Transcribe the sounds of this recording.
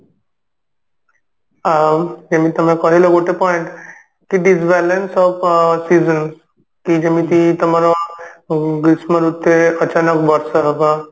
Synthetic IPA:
d͡ʑemiːt̪əm̤ẽkɔɦiləɡoʈepɔiɳʈ | kiʈid͡zbɛlensɔfsizəns | kid͡ʑemiːt̪it̪əmaɾɔ | ɡɾisməɾut̪ːeət͡ɕanəkbəɾsəɦəba

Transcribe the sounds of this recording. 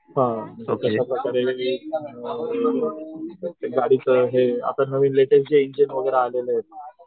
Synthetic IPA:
ɦãt̪əɕapɾəkaɾeleɦiː | eɡaɽiːt͡səɦea̰p̪ənəʋiːnleʈesd͡ʑeind͡ʑənʋəɡəjɾealeləɦet̪ː

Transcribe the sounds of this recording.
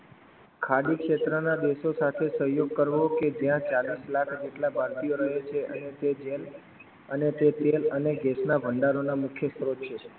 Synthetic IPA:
kʰaɖikʃet̪ɾənad̪eʃosat̪ʰesəɦjoɡ̚kəɾʋoked͡ʒjãt͡ʃalislakʰd͡ʒeʈlabʱaɾt̪ijoɾəɦet͡ʃʰeʔə̰net̪ed͡ʒel | ənet̪et̪eləneɡesnaʋʱəɳɖaɾonamʊkʰjəst̪ɾot̪t͡ʃʰe

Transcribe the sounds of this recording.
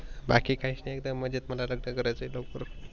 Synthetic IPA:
bakiːkʰaisnaek̚d̪əmːəd͡ʑiːt̪məlaləɡnəkəɾajt͡səilokʋəɾ

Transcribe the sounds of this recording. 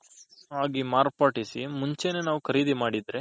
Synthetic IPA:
ɦaːɡimaːɾpaːʈisimuɲt͡ʃenenaːʋukʰɐɾiːd̪imaːɽid̪ɾe

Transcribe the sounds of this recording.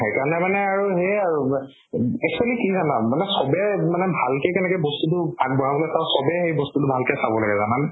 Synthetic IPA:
xejkaɹɔnɛmanɛaɹuɦeaɹu | ɛk̚sualikizanamanɛsɔbɛmanɛbʱalkekɛnɛkɛbɔstutʊbak̚bɔɹabɔlɛsasɔbɛxejbɔstutʊbʱalkɛsabɔlaɡɛzanan

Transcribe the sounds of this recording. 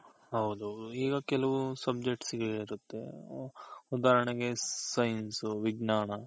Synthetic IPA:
ɦɐwud̪uɦɐw̪uiːɡɐkɛlɐʋusɐb̚d͡ʒek̚ʈsiɡɐeiɾut̪ːḛ | ud̪aːɾɐɳeɡe̞sɐjnsuʋiɡnaːnɐ

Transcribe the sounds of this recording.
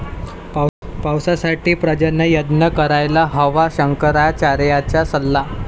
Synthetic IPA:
ppawsasaʈiːpɾəd͡ʑənəjəd̪nəkəɾajlaɦəʋaɕəŋkəɾat͡ɕaɾjat͡ɕjasəlːa

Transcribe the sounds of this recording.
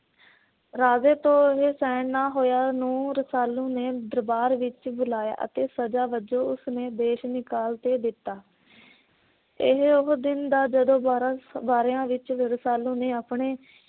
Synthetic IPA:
ɾaːzeːt̪õːɪɦeːsɛːɳnaːɦoːjaːnũːɾəsaːlũːneːd̪əɾbaːɾʋɪt͡ʃbʊlaːja̰ːʔə̰t̪eːsəd͡ʒaːʋəd͡ʒoːʊsneːd̪eːʃnɪkaːlt̪eːd̪ɪt̪ːaː | ɪɦʊɦd̪ɪnd̪aːd͡ʒəd̪õːbaːɾeãːʋɪt͡ʃɾəsaːlũːneːaːpɳeː

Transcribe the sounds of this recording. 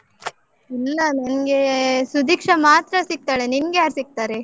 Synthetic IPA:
ilːɐnɐnɡe̞sud̪iːkʂɐmaːt̪ɾɐsik̚t̪aːɭeninɡejaːɾsik̚t̪aːɾe

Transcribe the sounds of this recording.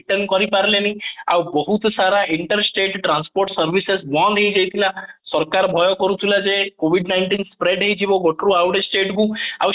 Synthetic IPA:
ʈənkɔɾipaɾlenia̰wbɔɦut̪saɾaʔiɳʈəɾsʈeʈʈɾanspoɾʈsəɾʋisesbɔ̃d̪ʱejd͡ʒejt̪ʰilãsɔɾkaɾbʱɔjɔkɔɾut̪ʰilad͡ʒekoʋiɖnaɪɳʈinspɾeɖɦeid͡ʒʱiʋoɡɔʈɾuawɽesʈeʈɡũa̰w

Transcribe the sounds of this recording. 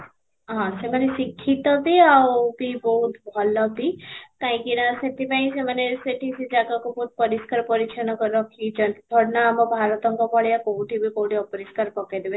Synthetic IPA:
ɦãsemənesikʰːit̪ɔb̪iawbibɔɦut̪bʱɔlːɔb̪ikaɦĩkinaset̪ipaĩseməneseʈʰisid͡ʒakakobɔut̪̚pəɾiskaɾpəɾit͡ʃʰənɔkəɾɔkid͡ʒənbʱɔɽnamɔbʱaɾət̪ɔŋkɔpɔɭjakowʈibʱikowʈiɔpɾiskaɾpɔked̪ebe

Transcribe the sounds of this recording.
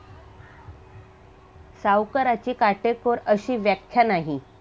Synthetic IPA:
sawkəɾat͡ɕiːkaʈekoɾəɕiːʋjakʰːjanaɦi

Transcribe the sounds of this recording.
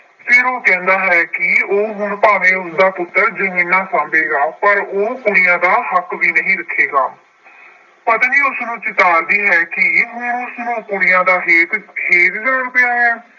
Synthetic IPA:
fʰɪɾoːkɛ̃ːnd̪aːɦɛːkɪoːɦʊɳpaːʋẽːʊsd̪aːpʊt̪ːəɾd͡ʒəmĩːnãːsãːmbeːɡaːpəɾoːkʊɽɪjãːd̪aːɦəkʋiːnəɦĩːɾəkʰːeːɡa̰ː | pət̪ãːd͡ʒiːʊsnũːt͡ʃɪt̪aːɾd̪iːɦɛːkɪɦʊnʊsnũːkʊɽɪjãːd̪aːɦeːt̪heːt̪d͡ʒəːəɳpejaːɦɛː

